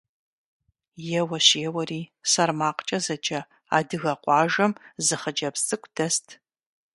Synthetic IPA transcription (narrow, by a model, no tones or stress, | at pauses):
jɛwɐʃeːwɐriːsɐrmaːqt͡ʃʼɐzɐd͡ʒʼɐ | a̰ːdɨɣɐqʷʼɑːʒɐmzɨχəd͡ʒɐpsʼɨkʷʰd̥ɐstʰ